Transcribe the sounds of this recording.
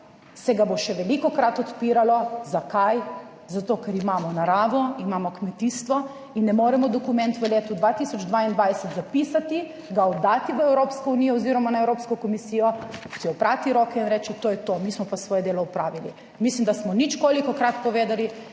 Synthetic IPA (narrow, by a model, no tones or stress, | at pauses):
sɛɡaboʃɛʋɛlikɔkɾat̪ɔt̪piːɾalɔzakaj | zat̪oːkɛɾimaːmɔnaɾaːʋɔimamɔkmɛt̪iːst̪ʋɔ | inːɛmoːɾɛmɔd̪ɔkumɛ̃nt̪ʋəleːt̪ud̪ʋat̪isɔd͡ʒd̪ʋaind̪ʋajsɛt̪zapisat̪i | ɡaɔd̪ːat̪iʋəɛwɾoːpskɔuniːjɔɔziːɾɔmanaɛwɾoːpskɔkɔmisiːjɔsiɔpɾat̪iɾoːkɛinɾɛt͡ʃɛt̪oːjɛt̪omiːsmɔpasʋɔːjɛd̪eːlɔupɾaːʋilḭ | mislimd̪asmɔnit͡ʃkoːlikɔkɾat̪pɔʋeːd̪ali